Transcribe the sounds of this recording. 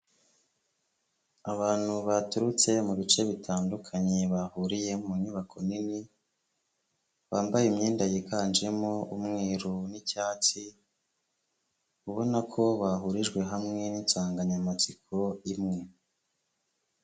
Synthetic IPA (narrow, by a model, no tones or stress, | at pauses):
aβaːn̥huβatuɾut͡se̞muβit͡ʃe̞βitʰaːndukʰaɲe̞βahuɾije̞muɲiβakʰonini | βaːmbajimɲiːndajekaːnd͡ʒemoumŋiːɾunicaːt͡si | uβo̞nakʰo̞βaɦuɾiʒɡwe̞ɦamŋe̞ninsaːŋɡaɲamat͡sikʰo̞imŋe̞